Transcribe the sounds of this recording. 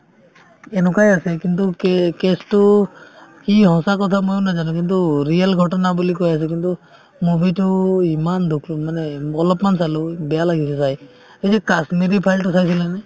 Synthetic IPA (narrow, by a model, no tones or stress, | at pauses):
ɛnɔkajasɛkintukkɛstʊ | kihɔ̃sakɔt̪ʰamojʊnazanɔ̃k̬intuɹialɡʱɔtɔnabulikojasɛk̬intu | mubʱitʊimandukʰmanɛɔlɔpmansalubɛjalaɡis̬ɛsaj | esɛkasmiɾipʰajltʊsajs̬ilɛnɛ